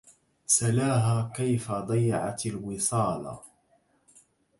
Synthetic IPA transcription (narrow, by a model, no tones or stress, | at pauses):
salaːɦaːkajfad̪ˤɑjːɑʕa̰t̪alwɪsˤɑːlɑ̰